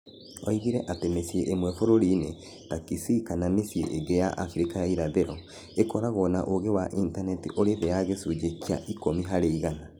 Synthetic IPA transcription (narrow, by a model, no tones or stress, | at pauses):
ɔiɣiɾɛʔatemesieʔemwɛfoɾoɾiːne | takisikanamesiḛʔeɡejaʔafɾekajaiɾaðeɾɔ | ekɔɾaɣɔnaʔoɣewaʔintanɛtiʔoɾeðeaɣesud͡ʒekia̰ʔikomiɦaɾeiɣana